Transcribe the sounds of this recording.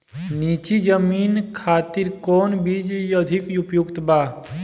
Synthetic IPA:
niːt͡ʃid͡ʒəmiːnkʰaːt̪iɾkɔːnbiːd͡ʒjəd̪ʱɪkʊpjʊkt̪baː

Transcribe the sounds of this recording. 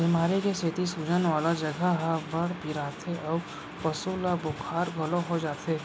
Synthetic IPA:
bɪmaːɾikesʰet̪isud͡ʒənʋaːlad͡ʒɐɡʱaɦabɐɽbʱiɾaːt̪ʰeʔɔː | pɐsulabʊkʰaːɾɡʱɐloɦod͡ʒaːt̪ʰeː

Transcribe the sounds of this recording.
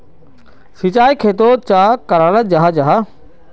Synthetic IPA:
sɪt͡ɕaːikʰeːt̪̬ot͡ɕaːkɐɾaːləd͡ʑaɦad͡ʑaɦa

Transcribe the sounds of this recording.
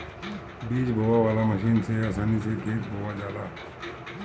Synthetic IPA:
biːt͡ʃbʱoʋaʋaːlaməʃiːnseaːsaːnisekʰeːt̪̚bʱoʋad͡ʒaːlaː

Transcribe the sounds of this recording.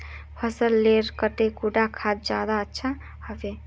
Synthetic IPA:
pʰəsəlːeɾkəʈ̪ekuɖakʰad̪̚d͡ʒad̪aətːʃʰa | həbe

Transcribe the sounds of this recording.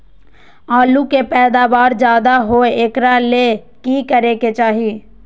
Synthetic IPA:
aːlukepɛːd̪aːʋaːɾd͡ʒjaːd̪aɦoeːkɾale | kikəɾeket͡ʃaːɦi

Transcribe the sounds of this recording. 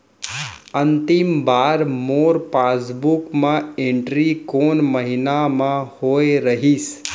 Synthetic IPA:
ənt̪imbaːɾmoːɾpaːsbukmãẽɳʈɾikoːnməɦinamãhoːeɾəɦis

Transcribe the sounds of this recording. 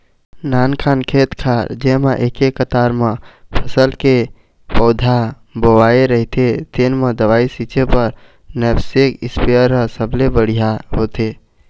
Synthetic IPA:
nankʰankʰet̪kʰaɾd͡ʒemeʔekekːət̪aɾmepʰəsəlke | pɔd̪ʱa | bowaeɾəɦit̪et̪enmed̪əʋaisit͡ʃepəɾ | nɛbsekḭspiəɾːəɦsəblebəɽ̤ijaɦot̪e

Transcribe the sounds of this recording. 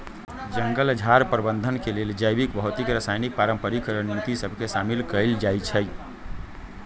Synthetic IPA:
d͡ʒəŋɡəld͡ʒʱaɾpɾəbənd̪ʱənkeleld͡ʒəjbikbəɦut̪ikɾəsajnik̚paɾəmpəɾikɾənit̪isəbʱkesamilkəld͡ʒajt͡ʃʰəj

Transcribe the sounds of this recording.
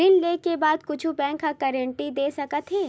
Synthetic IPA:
ɪnleːkebaːd̪kʊt͡ʃʰubɛ̃ːŋkːakɛːɾə̃ɳʈid̪eːsɐkət̪ɦeː

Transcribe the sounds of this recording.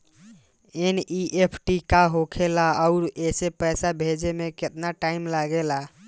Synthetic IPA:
eniʔepʰʈikaɦokʰelaəʊɾesepəjsabʱed͡ʒemeket̪naʈaimlaɡela

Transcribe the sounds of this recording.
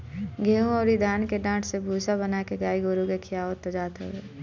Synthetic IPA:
ɡʱeːũɔːɾid̪ʱaːnkeɖãːʈʰsebʱuːsabənaːkeɡaːiɡoːɾukekʰɪjaːʋət̪ːod͡ʒaːt̪ḛʋeː

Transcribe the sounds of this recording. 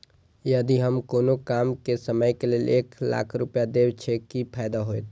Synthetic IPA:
jəd̪iɦəmkoːnokaːmkesəməjkeleːleːkla̰ːkʰɾʊpjad̪ebt͡ʃʰekipʰaːjd̪aɦoet̪

